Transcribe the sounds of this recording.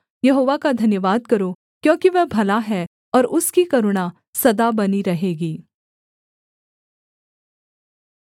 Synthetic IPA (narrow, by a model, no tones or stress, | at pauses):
jɐɦoːʋakad̪ʱɐnjəʋaːd̪̚kɐɾo | kjõːkiʋɛɦbʱɐlaɦɛ | ɔːɾʊskikɐɾʊɽ̃a | sɐd̪abɐniɾɐɦeːɡiː